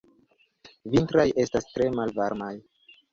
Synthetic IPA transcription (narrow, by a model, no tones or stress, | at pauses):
vintɾaje̞stastɾe̞malvaɾmaj